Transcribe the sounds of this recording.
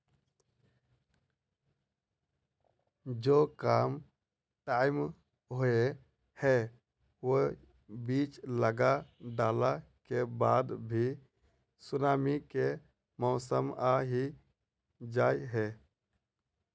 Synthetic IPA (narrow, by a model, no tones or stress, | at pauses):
d͡ʒokaːm | ʈaːɪm | ɦoe | hɛ | ʋo | biːt͡ʃləɡaɖaːlakebaːd̪bʱi | sʊnaːmike | mɔːsəmaɦi | d͡ʒaːjɦɛ